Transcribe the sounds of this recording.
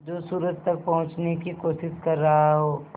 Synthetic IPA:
d͡ʒoːsuːɾət̪t̪ɐk̚pɐɦʊ̃t͡ʃnekikoːʃɪskɐɾːɐɦaɦoː

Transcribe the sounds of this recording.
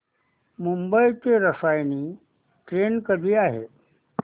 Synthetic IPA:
mumbəit̪eɾəsajni | ʈɾenkəd̪ʱiːaːɦḛ

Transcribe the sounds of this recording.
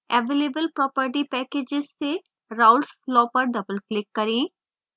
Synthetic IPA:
ɛʋeːlebəlpɾɔːpəɾʈipɛːkeːd͡ʒɪzse | ɾaʊlsflɔːpəɾɖɐbəlklɪkːɐɾĩ

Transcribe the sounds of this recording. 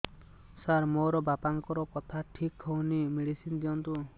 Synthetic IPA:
saɾmoɾɔbapaŋkɔɾɔkɔt̪ʰaʈʰikhɔwnimiɽisind̪iɔnt̪u

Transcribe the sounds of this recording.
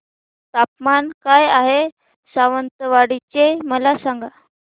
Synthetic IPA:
t̪apmankajaɦe | saʋənt̪əʋaɽit͡ɕeməlasaŋɡa

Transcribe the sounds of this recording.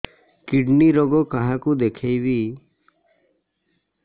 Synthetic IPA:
kiɖniɾoɡokaɦãkud̪ekʰeibi

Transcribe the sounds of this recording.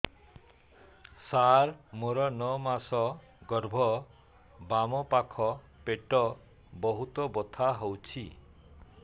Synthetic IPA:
saɾmoɾɔnɔmasɔ | ɡɔɾbʱɔ | bamɔpakʰɔ | peʈɔ | bɔɦut̪ɔbɔt̪ʰaɦowt͡ʃʰi

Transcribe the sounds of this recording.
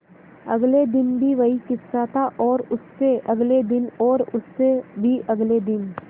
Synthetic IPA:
ɐ̰ɡled̪ɪnbʱiʋɐɦikɪssat̪ʰaʔɔːɾʊsːeʔɐɡled̪ɪnɔːɾʊsːebʱiʔɐɡled̪ɪn

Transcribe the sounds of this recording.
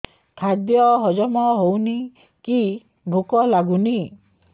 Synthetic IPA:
kʰad̪jɔɦɔd͡ʒɔmɔɦowni | ki | bʱukɔlaɡuni

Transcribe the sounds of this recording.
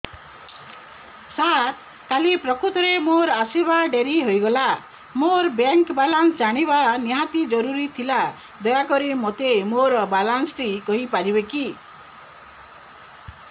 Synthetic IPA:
sat̪ | kalipɾɔkɾut̪ɔɾemoɾasibaɖeɾiɦojɡɔla | moɾbjaŋkbalansd͡ʒaɽ̃ibaniɦat̪id͡ʒɔɾuɾit̪ʰila | d̪ɔjakɔɾimot̪emoɾbalansʈikɔɦipaɾibeki

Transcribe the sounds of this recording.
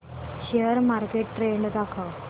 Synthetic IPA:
ɕejəɾmaɾkeʈːɾeɳɖd̪akʰə

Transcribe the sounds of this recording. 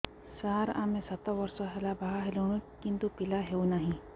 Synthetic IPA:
saːɾã̰ːmẽsɐt̪aʋɐɾsoɦɛlabaɦaɦeloñũkɪ̃nt̪upɪlaɦeunaɦĩ

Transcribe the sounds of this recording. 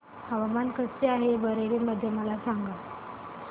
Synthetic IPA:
həʋamankəst͡seaɦebəɾeɭiːməd̪ʱːjeməlasaŋɡə

